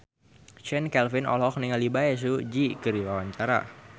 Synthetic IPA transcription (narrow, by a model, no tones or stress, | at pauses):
t͡ʃɛnkɛlfɪnɔ̰lɔkniŋalibaɛs̬ud͡ʒikəɾiwawaɲt͡ʃaɾa̰